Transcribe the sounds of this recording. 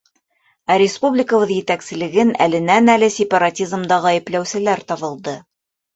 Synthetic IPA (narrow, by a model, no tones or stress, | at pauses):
æɾʲɪspublʲɪkəβɤðjɘ̆t̪æksɘ̆lɘ̆ɡɘnæ̰lɘ̆nænælɘsʲɪpɑɾatʲizmd̪ɑʁɑjɘ̆plæwsɘ̆læɾt̪ɑβɤ̆lˠd̪ɤ